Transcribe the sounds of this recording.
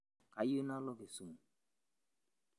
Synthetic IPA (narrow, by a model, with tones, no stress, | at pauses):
ka˨jo˦na˦lɔ˦ke˨su˨ŋ˨